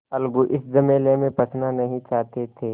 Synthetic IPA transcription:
ɐlɡuʔɪsd͡ʒɐmeːlemẽpɐt͡ʃʰnanɐɦĩt͡ʃaːɦt̪et̪ʰeː

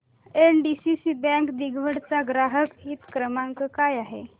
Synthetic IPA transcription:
enɖisisibɛ̃ŋkd̪iɡʱʋəɽt͡saɡɾaɦəkɦiːt̪kɾəmãŋkəkajaɦḛ

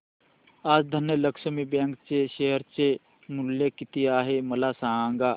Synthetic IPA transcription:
aːd͡zd̪ʱənjələkʃəmibãŋkt͡seʃeɦəɾt͡se | muljəkit̪iaːɦeməlasããŋɡa

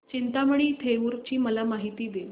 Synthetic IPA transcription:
t͡ɕint̪aməɽ̃iːt̪ʰeʋuɾt͡ɕiːməlamaɦit̪iːd̪el

